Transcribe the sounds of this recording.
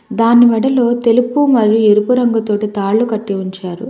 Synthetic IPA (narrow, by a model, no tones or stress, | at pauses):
d̪aːnːimɛɽɐlo̞ːt̪e̞lupumɐɾijueɾupuɾɐŋɡɐt̪o̞ːʈit̪aːɭːukɐʈːiuɲt͡ʃaːɾu